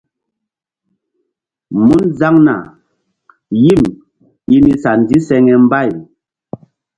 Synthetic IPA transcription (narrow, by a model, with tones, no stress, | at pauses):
mu˦nza˦ŋna̰˨ | ji˦˨m | i˦ni˨sa˨n˨di˦sɛ˦ŋɛ˨m̩˦ba˦˨j